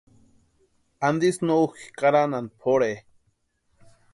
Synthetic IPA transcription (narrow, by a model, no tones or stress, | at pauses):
and̪isnouxi̥kaɾananpʰoɾe